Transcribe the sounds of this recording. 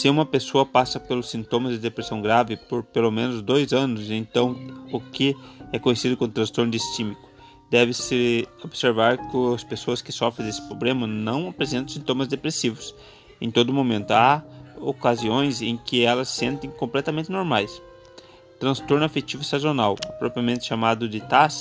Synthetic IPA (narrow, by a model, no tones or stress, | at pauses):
sɪũmɐpesoɐpasɐpelʊsĩnt̪õmɐzd̪ɪd̪epɾesɐ̃w̃ɡɾavɪpoɾpelomẽnʊzd̪ojzɐ̃nʊzẽnt̪ɐ̃w̃ʊkʰɪɛkõjesid̪ʊkõʊt̪ɾɐ̃st̪oɾnʊist͡ʃimikʊ̥ | d̪̥ɛvɪsɪobseɾvaɾkɪʊɐspesoɐskɪsɔfɾẽd̪esɪ̥pɾoblẽmɐnɐ̃w̃ɐpɾezẽnɐ̃sĩnt̪õmɐzd̪epɾesivʊs | ḛ̃j̃t̪od̪ʊmomẽnt̪ʊaokaziõj̃zẽkɪɛlɐsːẽnt̪ẽj̃kõmplɛt̪ɐmẽnt̪ɪnoɾmajs | t̪ɾɐ̃st̪oɾnʊafet͡ʃ̪ivʊist̪azonawpɾɔpɾiɐmẽnt̪ɪ̥ʃamad̪ʊd̪ɪt̪as